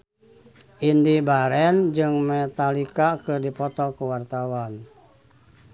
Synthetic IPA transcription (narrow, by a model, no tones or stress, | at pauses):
ʔindibaɾɛnd͡ʒɨŋmɛt̪alikakɨrdipɔt̪ɔkuwart̪awan